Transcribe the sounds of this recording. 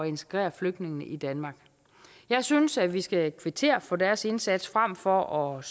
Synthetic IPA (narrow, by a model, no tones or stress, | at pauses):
ɒe̝nt͡sʰe̥ɡ̥ʁɛ̰ːɐfløɡ̥̚d̥ne̝ŋnəʔid̥ænmɑ̈ːɡ̥ | jɑ̈ɪsynsæʋisɡ̥ækʰʋit͡sʰe̝̰ɐfɔ̽d̥æɐse̝nsæd̥sfʁam̰fɒ̽ʔɒ̽s